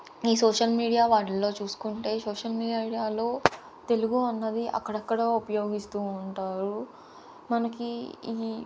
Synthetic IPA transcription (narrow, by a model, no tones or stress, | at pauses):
iːsoːʂɐlmiːɽijaːʋaːɽlɐlo̞ːt͡ʃuːsu̥kuɳʈe̞ːsoːʂɐlmiːiaɽijaːlo̞ː | t̪e̞luɡuɐnːɐd̪iʔɐ̰kːɐɽɐkːɐɽaːupɐjo̞ːɡist̪uːɳʈaːɾu | mɐnɐkiiː